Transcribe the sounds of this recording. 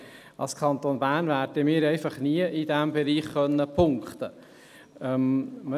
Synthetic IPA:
ɑ̰lskʰɑnt̪onbæːnvæːɾdimɪːɾɛɪfɑχniəʔidæmbɛɾiːχːœnːəpʰʊŋkχt̪ə | ɛmm

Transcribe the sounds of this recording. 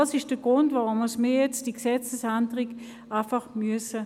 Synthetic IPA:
asɪʃd̥əɡ̥ʁʊndvaʁʊməsmijɛt͡sd̥iɡsɛt͡səsandəʁɪɡ | ʔaɪfɑχmyəsə

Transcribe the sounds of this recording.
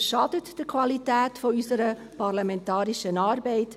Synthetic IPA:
ʃɑd̥ətd̥əkʰʋɑlitæːtfɔysəɾə | pɑrlɑmɛntɑːɾiʃənɑːɾbɛɪt

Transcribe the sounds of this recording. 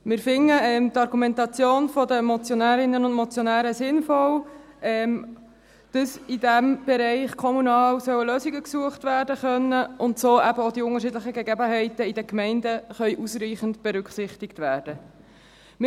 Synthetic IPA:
mɪɾfɪŋːəɛmtɑɾɡumɛntɑt͡sjoːnfɔdəmɔt͡sjonæːɾɪnːənʊndmɔt͡sjɔnæːɾəsɪnfɔw | ɛm | d̥ɑsɪdæmb̥ɛɾɛɪχkʰɔmunɑːwsœwəløːsɪɡəksuəχtʋæːrdəχœnːəʔʊntsoːʔæbəodiʊŋəɾʃɪdləχəɡeɡɛbəɦɛɪtəɪdəkmɛɪndəχœʏʔusriːχəntb̥ɛɾʏkχsɪχtɪktʋæːɾd̥ə | mɪ

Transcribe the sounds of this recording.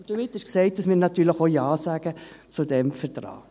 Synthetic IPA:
nd̥omɪt̪ːɪʃksɛɪt̚dɑsmɪːɾnɑtyːɾləxojɑːsæːɡ̥ət͡sudɛmfəɾtɾɑ̰ː

